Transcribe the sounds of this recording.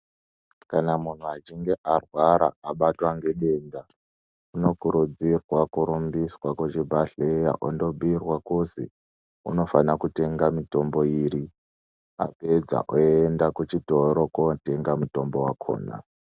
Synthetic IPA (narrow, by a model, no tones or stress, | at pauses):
kanamun̤uat͡ʃiŋɡe̞ʔarwaɾa̰ːɓatwaŋɡe̞ɗenda | uno̞kuɾud͡zirwakuɾumbiswakut͡ʃibʱaɬeja̰ʔondo̞bʱuirwakusḭ | ṵno̞fanakute̞ŋɡamito̞mbo̞iːɾi | a̰pe̞d͡za̰ʔoendakut͡ʃitoɾokote̞ŋɡamuto̞mbowakʰo̰ːna̰